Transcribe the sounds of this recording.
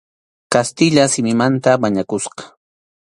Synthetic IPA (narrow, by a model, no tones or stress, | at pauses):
kast̪ɪʎasɪmɪmant̪amaɲakʊsqɑ̥